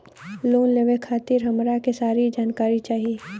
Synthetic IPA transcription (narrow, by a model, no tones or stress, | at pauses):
loːnleʋekʰaːt̪ɪɾɦɐmɾakesaːɾid͡ʒaːnkaːɾit͡ʃaːɦieː